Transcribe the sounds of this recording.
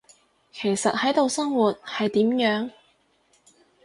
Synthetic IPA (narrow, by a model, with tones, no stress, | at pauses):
kʰe˨˩jsɐ˨t̚hɐ˨˥jt̪o˨˧wsɐ˥ŋwuː˨˩t̚hɐ˨jt̪iː˨˥mjœː˨˥ŋ